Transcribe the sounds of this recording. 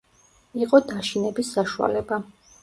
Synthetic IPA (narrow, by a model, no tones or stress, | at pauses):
iqʼɔd̪aʃinɛbisːaʃua̰lɛba